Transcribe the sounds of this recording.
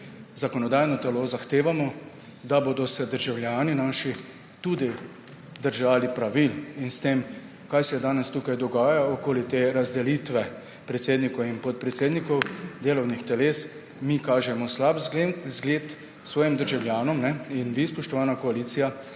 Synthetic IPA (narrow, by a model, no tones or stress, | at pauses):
zakɔnɔd̪aːjnɔt̪ɛloːzaxt̪eːʋamɔ | d̪aboːd̪ɔsɛd̪əɾʒawljaːninaːʃi | t̪ud̪i | d̪əɾʒaːlipɾaʋilinst̪eːm | kajsɛjɛd̪aːnɛst̪uːkajd̪ɔɡaːjaɔkoːlit̪eːɾazd̪ɛliːt̪ʋɛ | pɾɛt̪seːd̪nikɔinpɔt̪̚pɾɛt̪seːd̪nikɔwd̪eːlɔwnixt̪ɛleːs | mikaːʒɛmɔslabzɡleːt̪ | sʋɔːjimd̪əɾʒawljaːnɔmnɛinʋispɔʃt̪ɔʋaːnakɔaliːt̪sija